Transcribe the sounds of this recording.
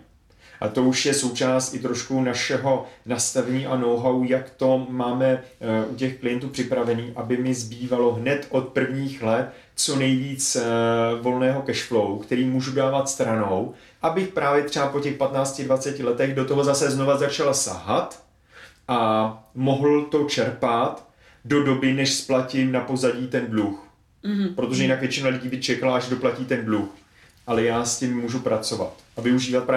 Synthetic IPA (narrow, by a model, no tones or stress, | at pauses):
ʔa̰t̪o̞uʃjɛso̞wt͡ʃaːst̪ɪt̪ɾo̞ʃkunaʃɛɦo̞nast̪avɛɲiːʔanowɦawujakt̪o̞maːmɛʔucɛxklɪjɛnt̪uːpr̝̥ɪpɾavɛniːʔabɪmɪzbiːvalo̞ɦnɛt̪ʔo̞t̪̚pr̩vɲiːxlɛt̪ | t͡so̞nɛjviːt͡s | vo̞lnɛːɦo̞kɛʃklowkt̪ɛɾiːmuːʒudaːvat̪st̪ɾano̞w | ʔabɪxpɾaːvjɛt̪r̥ɛapo̞cɛxpat̪naːt͡scɪdvat͡sɛcɪlɛt̪ɛɣdo̞t̪o̞ɦo̞zasɛzno̞vazat͡ʃalasa̰ɦat̪ | ʔamo̞ɦl̩t̪o̞t͡ʃɛɾpat̪ | do̞do̞bɪnɛʃsplacɪnapo̞zaɟiːt̪ɛndlux | pɾo̞t̪o̞ʒɛjɪnakvjɛt͡ʃɪnalɪɟiːbɪt͡ʃɛkalaʔaʒdo̞placiːt̪ɛndlux | ʔalɛjaːscɪmːuːʒupɾat͡so̞va̰t̪ʔavɪuʒiːvat̪̚pɾaː